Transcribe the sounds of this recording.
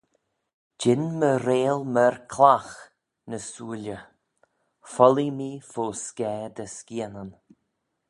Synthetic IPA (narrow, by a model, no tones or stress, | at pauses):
d͡ʒɪnməɾeːlməɹkʰlax | nəsuːlʲə | fɔlimiːfoːskɛːd̪əskiənən